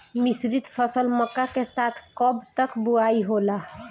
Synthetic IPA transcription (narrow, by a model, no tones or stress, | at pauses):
misɾit̪pʰəsəlməkːakesat̪ʰkɔbt̪əkbuaiɦola